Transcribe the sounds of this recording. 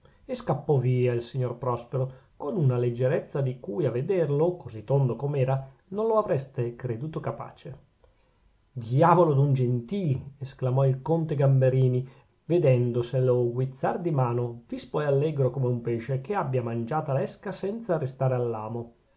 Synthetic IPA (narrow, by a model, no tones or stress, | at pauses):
eskapːɔviːailsiɲːorpɾɔspeɾokonunaled͡ʒːeɾɛt̪sːad̪ikujaved̪erlokozit̪ːond̪okomeɛːɾa | nonloavɾɛst̪ekɾed̪uːt̪okapa̰ːt͡ʃe | d̪iaːvolod̪und͡ʒent̪iːlesklamɔilkont̪eɡambeɾiːni | ved̪ɛnd̪oseloɡwit̪sːard̪imaːnovispɔjalːɛɡɾokomeumpeːʃekʰeabːjamand͡ʒaːt̪alɛskasɛnt̪saɾest̪aːɾealːaːmo